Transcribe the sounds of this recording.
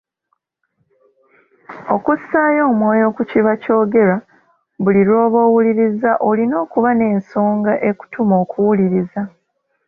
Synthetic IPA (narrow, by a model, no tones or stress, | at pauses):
o̞kusaːjo̞ːmwo̞ːjo̞ːkuciβaco̞ːɡe̞ɾa | βuliɾo̞ːβo̞ːwuliɾizaʔolino̞ːkuβane̞ːnso̞ːŋɡaʔe̞ku̥tʰumo̞ːkʰuwuliɾiza